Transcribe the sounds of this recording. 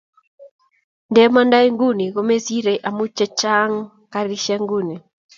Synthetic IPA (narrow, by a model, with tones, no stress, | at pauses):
ndɛma˦nda˦i˦ŋɡu˦ni˨ɣɔ˦mɛ˦si˦ɾɛʔa˨mu˦t͡ʃɛ˦t͡ʃa˦ŋ | kaɾiʃaŋɡuni˨